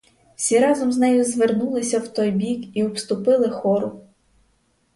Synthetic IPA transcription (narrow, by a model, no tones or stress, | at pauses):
wsʲiɾɑzɔmznɛjʊzʋernulˠɪsʲɐwt̪ɔjbʲikiɔpst̪ʊpɪlˠɪxɔɾʊ